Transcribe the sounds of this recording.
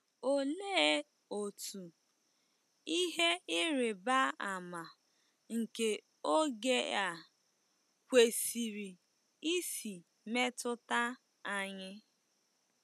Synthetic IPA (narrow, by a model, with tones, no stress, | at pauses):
o˨le˦ | o˨tu˨ | i˦ɦe˦ɪ˦ɾɪ˨ba˦a˨ma˨ | ŋ̩˨ke˨ | o˦ɡe˦a˨ | kʷe˨si˨ɾi˨ | i˦si˨ | me˦tʊ˦ta˦ | a˦ɲɪ˦